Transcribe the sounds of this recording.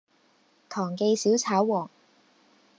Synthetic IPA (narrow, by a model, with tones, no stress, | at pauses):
t̪ʰɔː˨˩ŋke˧jsiː˨˥wt͡sʰaː˨˥wwɔː˨˩ŋ